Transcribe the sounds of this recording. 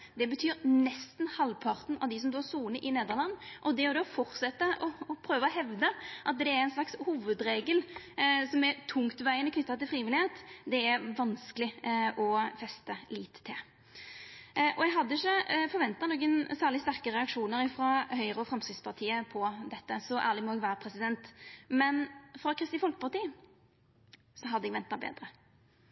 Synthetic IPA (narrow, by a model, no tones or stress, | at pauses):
d̪ɛbət̪ʰyːɾnɛst̪nhɑlpʰɑʁt̪n̩ɑ̰ʋd̪ɪsɔmd̪oːsuːnəʔɪneːd̪əʁlɑnːʔɔd̪ɛɔd̪ɛfɔɾt̪sɛt̪ːəʔɔɔpʰɾøːʋəɔɦɛʋd̪əʔɑt̪̚d̪ɛæɾɛɪnslɑkshuːʋəd̪ɾeːɡəl | sɔmɛɾt̪ʰʊŋt̪ʋæɪənɔknʏt̪ːɑt̪ɪlfɾiːʋɪlɪheːt̪d̪ɛæɾʋɑnskəlɪɔfɛst̪əliːt̪ʰːɪl | ʔɔjɛɡɦɑd̪ːəɪçːəfɔɾʋɛnt̪ɑnɔkːənsæːʁlɪst̪æʁkəɾɛɑkʂuːnəɾɪfɾɔhœʏɾəɔfɾɑmsɪspʰɑʁt̪ʰiːəpʰɔd̪ɛt̪ːəsɔʔæːʁlɪmɔɛɡʋæːɾəpʰɾɛsɪd̪ɛnt̪mɛnfɾɑkʰɾɪst̪iːfɔlkə̥pʰɑʁt̪iː | sɔɦɑd̪əɛɡʋɛnt̪ːɑbḛːd̪ɾə